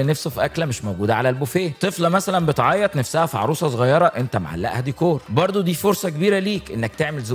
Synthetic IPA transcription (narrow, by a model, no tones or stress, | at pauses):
enæfsofiʔæklæmeʃmowɡuːd̪æʕalælbofeːt̪ˤeflɑmæsælæmbet̪ʕɑːjːɑt̪ˤnæfsæhæfiʕɑ̰ɾuːsˤɑzˤoɣɑjːɑɾˤɑʔent̪æma̰ʕa̰lːæ̰ʔhæd̪ikoːɾbɑɾˤd̪ˤod̪iːfoɾsˤɑkebiːɾæliːkʔenːæk̚t̪eʕmelz